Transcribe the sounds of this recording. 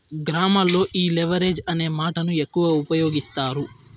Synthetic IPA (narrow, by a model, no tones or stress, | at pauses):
ɡɾaːmɐlːo̞ːʔiːleʋɐɾe̞ːd͡ʒɐne̞ːmaːʈɐnue̞kːuʋɐupɐjo̞ːɡist̪aːɾu